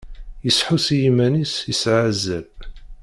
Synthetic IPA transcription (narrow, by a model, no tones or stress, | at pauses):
jəsħusjimænisjəsʕazːæb